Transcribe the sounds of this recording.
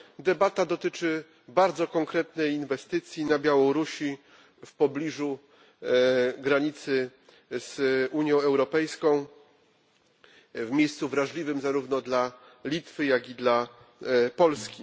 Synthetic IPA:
d̪ɛbat̪ad̪ɔt̪ɘt͡ʂɘ | baɾd̪zɔkɔŋkɾɛt̪nɛjinvɛst̪ɘt̪sʲjinabʲjawɔɾuɕi | fpɔblʲiʐu | ɡɾaɲit̪sɘ | z̥uɲjɔ̃ɛwɾɔpɛjskɔ̃w̃ | vmʲjejst̪suvɾaʐlʲivɘmzaɾuvnɔd̪la | lʲit̪fɘjaɡʲid̪la | pɔlskʲi

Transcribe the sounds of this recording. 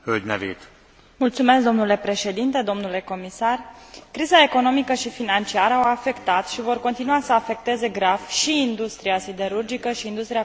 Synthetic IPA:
høld̪ʲnɛvḛːt̪ | mult̪sume̞sk̚d̪o̞mnule̞pɾe̞ʃe̞d̪int̪e̞d̪o̞mnule̞ko̞misarkɾizae̞ko̞no̞mikəʃifinant͡ʃiaɾəawafe̞kt̪at̪ʃivo̞rko̞nt̪inuasəafe̞k̚t̪e̞ze̞ɡɾafʃiːnd̪ust̪ɾiasid̪e̞ɾurd͡ʒikəʃiːnd̪ust̪ɾia

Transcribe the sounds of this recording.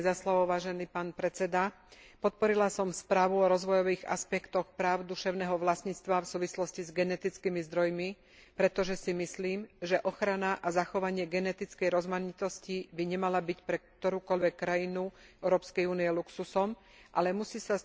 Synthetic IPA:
zaslɔʋɔʋaːʒɛniːpaːnpɾɛt͡sɛd̪a | pɔt̪̚pɔɾilasɔmspɾaːʋuɔɾɔzʋɔjɔʋiːɣa̰spɛkt̪ɔxpɾaːʊd̪uʃɛʊnɛːɦɔʋlasɲit͡st̪ʋafsuːʋislɔscizɡɛnɛt̪it͡skimizd̪ɾɔjmi | pɾɛt̪ɔʒɛsimisliːmʒɛʔɔxɾanaʔazaxɔʋaɲɪɛɡɛnɛt̪it͡skɛjɾɔzmaɲit̪ɔscibiɲɛmalabicpɾɛkt̪ɔɾuːkɔʎʋɛkːɾajinuʔɛʊɾɔːpskɛjuːniɛluksusɔm | ʔa̰lɛmusiːsa

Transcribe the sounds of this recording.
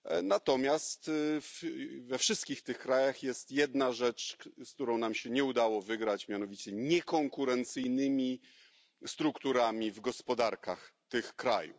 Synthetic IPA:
nat̪ɔmʲjast̪fvɛfʂɘst̪kʲixt̪ɘxkɾajaxjɛst̪jɛd̪naʐɛt͡ʂskt̪uɾɔ̃w̃namɕɛɲɛud̪awɔvɘɡɾat͡ɕmʲjanɔvʲit͡ɕɛɲɛkɔŋkuɾɛnt̪sɘjnɘmʲi | st̪ɾukt̪uɾamʲivɡɔspɔd̪aɾka̰xt̪ɘxkɾajṵ

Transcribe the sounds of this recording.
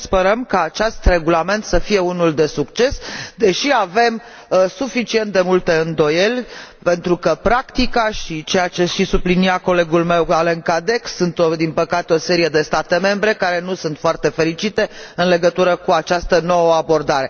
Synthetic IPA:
spe̞ɾəmkaːt͡ʃast̪re̞ɡulame̞nt̪səfije̞unuld̪e̞sukt͡ʃe̞sd̪e̞ʃiave̞m | sufit͡ʃient̪̚d̪e̞mult̪e̞ɨnd̪o̞je̞lʲpe̞nt̪ɾukəpɾakt̪ikaʃit͡ʃe̞jat͡ʃe̞ʃisubliniako̞le̞ɡulme̞waleŋkad̪e̞ksunt̪od̪inpəkat̪eo̞se̞ɾije̞d̪e̞st̪at̪e̞me̞mbɾe̞kaɾe̞nusunt̪foart̪e̞fe̞ɾit͡ʃit̪e̞ɨnle̞ɡət̪uɾəkuat͡ʃast̪əno̞wəabo̞rd̪aɾe̞

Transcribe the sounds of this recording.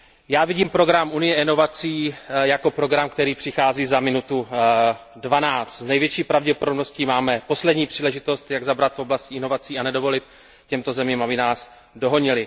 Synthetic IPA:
jaːvɪɟiːmpɾo̞ɡɾamʔunɪjɛʔɪno̞vat͡siːjako̞pɾo̞ɡɾamkt̪ɛɾiːpr̥ɪxaːziːzamɪnut̪u | dvanaːt͡st̪znɛjvjɛt͡ʃiːpɾavɟɛpodobnosciːmaːmɛpo̞slɛdɲiːpr̝̥iːlɛʒɪt̪o̞st̪jaɡzabɾat̪fʔo̞blascɪɪno̞vat͡siːanɛdo̞vo̞lɪt̪̚ | cɛmt̪o̞zɛmiːmabɪnaːs | do̞ɦo̞ɲɪlɪ

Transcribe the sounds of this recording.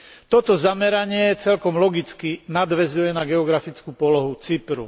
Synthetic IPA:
t̪ɔt̪ɔzamɛɾaɲɪɛt͡sɛlkɔmlɔɡit͡skinad̪ʋɛzujɛnaɡɛɔɡɾafit͡skupɔlɔɦut͡sipɾṵ

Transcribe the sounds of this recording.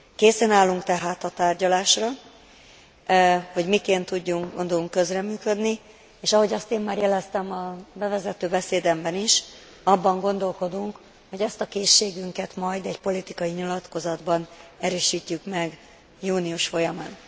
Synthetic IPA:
keːsɛnaːlːuŋkt̪ɛɦaːt̪ɒt̪aːrɟɒlaːʃrɒ | ho̞ɟmikeːnt̪ːuɟːuŋond̪oluŋkːø̞zrɛmyːkø̞d̪ni | eːʃɒɦo̞ɟɒst̪eːmːaːrjɛlɛst̪ɛmɒbɛvɛzɛt̪øːbɛseːd̪ɛmbɛniʃ | ɒbːɒŋɡo̞nd̪o̞lko̞d̪uŋk | ho̞ɟɛst̪ɒkeːʃːeːɡyŋkɛt̪mɒjd̪ɛɟpo̞lit̪ikɒjiɲilɒt̪ko̞zɒd̪bɒnɛɾøːʃiːcːykmɛɡ | juːniuʃfo̞jɒmaːn

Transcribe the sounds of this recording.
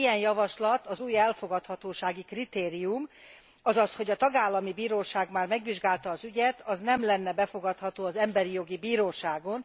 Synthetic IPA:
ijɛnjɒvɒʃlɒt̪ɒzuːjɛlfo̞ɡɒt̪hɒt̪oːʃaːɡikrit̪eːɾijum | ɒzɒsho̞ɟɒt̪ɒɡaːlːɒmibiːɾoːʃaːɡmaːrmɛɡʋiʒɡaːlt̪ɒːzyɟɛt̪ɒznɛmlɛnːɛbɛfo̞ɡɒt̪hɒt̪oːɒzɛmbɛɾijo̞ɡibiːɾoːʃaːɡo̞n

